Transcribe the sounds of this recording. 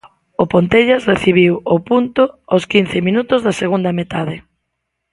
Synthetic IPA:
ʊpont̪eʎasreθiβ̞iwʊpunt̪ʊoskinθɪmĩnut̪ʊzðaseɣund̪ɐmet̪aðɪ

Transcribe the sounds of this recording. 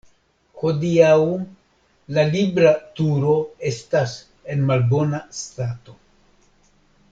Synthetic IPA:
ho̞diawm | lalibɾatuɾo̞e̞stas | e̞nmalbo̞nastato̞

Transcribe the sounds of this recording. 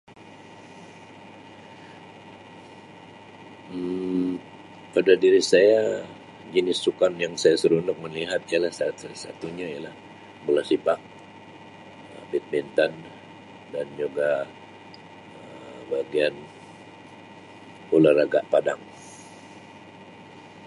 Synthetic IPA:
padadiɾisaja | d͡ʒənɪsːukanjaŋsajasəɾunʊk̚məliɦat̪ialahsat̪sasa̰t̪uɲaijalah | bulasibak̚ | əbit̪̚bint̪an | dand͡ʒuɡa | ə | baɡian | ularaɡaʔpadaŋ

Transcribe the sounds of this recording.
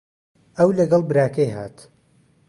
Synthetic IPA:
ɐwlɐɡɐlˠbɨɾaːkɐjɦa̰ːt̪

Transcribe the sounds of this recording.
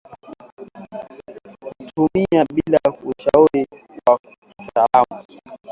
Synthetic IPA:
kutʰumiaɓilauʃauɾi | wa | ki̥tʰalamu

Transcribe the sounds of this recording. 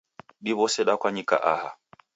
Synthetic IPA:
ɗiβɔsɛɗakwaɲika̰ʔaha

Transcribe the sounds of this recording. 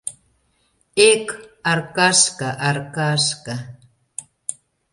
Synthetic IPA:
ekaɾkaskaʔaɾkaska

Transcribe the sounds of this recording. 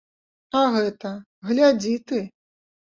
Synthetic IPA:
aɣɛt̪ɐ | ɣlʲad͡zʲit̪ɨ

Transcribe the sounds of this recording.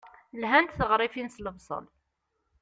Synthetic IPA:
lɦænt̪θəʁɾˤifinsləvsˤə̰l

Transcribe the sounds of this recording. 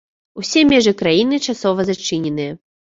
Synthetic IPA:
usʲɛmʲɛʐɨkɾajinɨt͡ʂasɔvɐzat͡ʂɨnʲɛnɨjɐ

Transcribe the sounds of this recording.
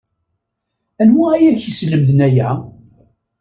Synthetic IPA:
ænwaæjæçisləmðənæjæ

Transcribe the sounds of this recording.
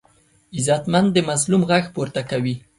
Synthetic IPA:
ɪzat̪mand̪d̪əmazlumɣaxpoɾt̪akawi

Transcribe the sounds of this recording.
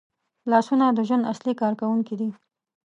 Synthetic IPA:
lɑsunad̪əʒwand̪aslikɑɾkawuŋkid̪i

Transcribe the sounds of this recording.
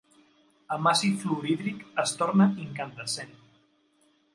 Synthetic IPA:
əmasifluɾiðɾikəst̪oɾnəiŋkənd̪əsen

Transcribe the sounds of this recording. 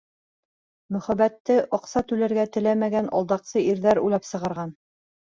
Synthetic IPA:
mɵ̆χæβæt̪ːɘʔɑqsɑt̪ʉlæɾɡæt̪ɘ̆læmæɡænʔɑ̰lˠd̪ɑqsɤiɾðæɾujlˠɑpsɤ̆ʁɑ̆ɾʁɑn

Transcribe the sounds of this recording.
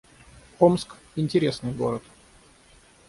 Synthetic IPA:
omsk | ɪnʲtʲɪɾʲesnɨjɡo̰ɾət̪

